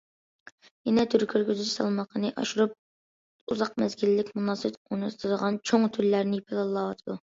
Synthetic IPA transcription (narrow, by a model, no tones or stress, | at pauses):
jɛnɛt̪ʰyɾkʲʰøɾkʲyzyt͡ʃsʰɑ̰lˠmɑqʰənɨʔɑ̰ʃuɾup̚ | uzɑq̚mɛzɡʲilːɪkʲmunɑːst̪unɨt̪ʰɨd̪əʁɑnt͡ʃʰoŋt̪ʰyɾlæɾnɪipʰɪlˠɑlˠːɑːwɑt̪ʰɨd̪u